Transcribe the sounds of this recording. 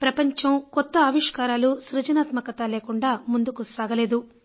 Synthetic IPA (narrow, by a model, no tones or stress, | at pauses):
pɾɐpɐɲt͡ʃɐmkɔt̪ːɐːʋiʂkaːɾaːluʃɾɐd͡ʒɐnaːt̪mɐkɐt̪aːleːkuɳɖaːmund̪ukusaːɡɐleːd̪u